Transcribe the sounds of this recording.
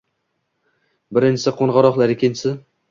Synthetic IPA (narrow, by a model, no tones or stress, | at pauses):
bɪɾɪnʲt͡ʃʰɪsɪqʰonʁɑɾɒχlˠaɾɪkʲʰɪnt͡ʃɪsɪ